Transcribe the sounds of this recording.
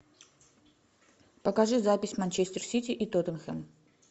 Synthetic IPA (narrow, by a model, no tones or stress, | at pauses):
pɐkaʐɨzapʲɪsʲmanʲt͡ɕesʲt̪ʲɪrsʲit̪ʲiʔit̪ot̪ənxɛm